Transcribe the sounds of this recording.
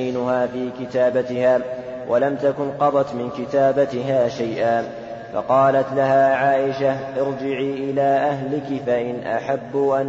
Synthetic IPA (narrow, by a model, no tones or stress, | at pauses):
jnʊhaːfiːkɪt̪aːbat̪ɪhaː | wʔalamt̪akʊnqɑd̪ˤɑt̪mɪnkɪt̪aːbat̪ɪɦaːʃajʔaː | fɑ̰qɑːlat̪laɦaːʕaːʔɪʃaʔɪɾd͡ʒɪʕiːʔɪlaːʔaɦlɪkɪfaʔɪnʔa̰ħabːuʔan